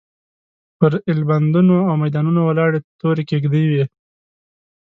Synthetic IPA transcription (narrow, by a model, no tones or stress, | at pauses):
pəɾɪlband̪unoawmajd̪ɑnunowalɑɽet̪oɾekeɡd̪ijwi